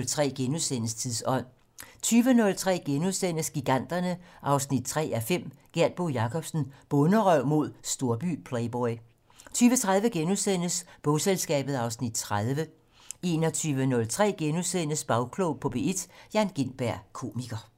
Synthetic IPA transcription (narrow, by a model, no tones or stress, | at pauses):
lt͡sʰʁɛ̰ːɡ̥enuðˠsen̰əst͡sʰiðˠsɒ̽n̰ | t͡sʰyːʋənɔ̽lt͡sʰʁɛ̰ːɡ̥enuðˠsen̰əsɡ̥iɡ̥æn̰d̥ɐnəʔɑ̈ʊsnid̥̚t͡sʰʁɛ̰ːæfem̰ɡ̥eɐd̥̚b̥o̝jɑ̈kʰɒ̽b̥sn̩b̥ɔ̽nəʁœʊ̰mo̝ð̞̰ˠsd̥o̝ɐb̥y̰ːpʰleɪb̥ɒɪ | t͡sʰyːʋət͡sʰʁað̞ˠʋəɡ̥enuðˠsen̰əsb̥ɔ̽selsɡ̥ɛ̰ːb̥ð̩ˠɑ̈ʊsnid̥t͡sʰʁaðˠʋə | e̝nɒ̽t͡sʰyːʋənɔ̽lt͡sʰʁɛ̰ːɡ̥enuðˠsen̰əsb̥ɑ̈ʊkʰloʊpʰɒ̽b̥e̝̰ed̥jæ̈ːnɡ̥e̝nb̥æɐ̰kʰo̝̰ːmiɡ̥ɐ